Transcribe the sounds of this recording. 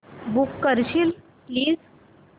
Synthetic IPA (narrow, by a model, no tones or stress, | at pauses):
bukːəɾɕil | pliːz